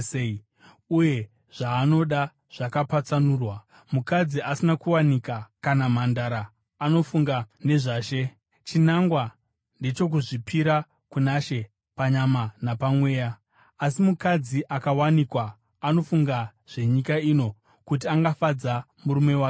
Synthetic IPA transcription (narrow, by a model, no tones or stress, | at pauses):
uje̞ | ʐ̥aːno̞ɗa | ʐ̥akapat͡sanuːrwa | mukad͡ziasinakuwanikakanamandaɾaː | no̞fuŋɡane̞ʐaːʃe̞ | t͡ʃinaŋɡwa | ndet͡ʃo̞k̬uʐipʰiɾa | kunaʃe̞ | paɲamanapamwe̞ːja | asimukad͡ziʔakawanikwaː | no̞fuŋɡaʐ̥e̞ɲikaino̞ | kut̬iaŋɡafad͡za | muɾume̞waːke